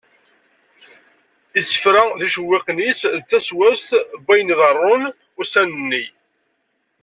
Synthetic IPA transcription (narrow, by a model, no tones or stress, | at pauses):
isə̥fɾæðiʃəwːɪqnisðət͡sːæswæst̪bæjniðərˤːʊn | ʊsænənːi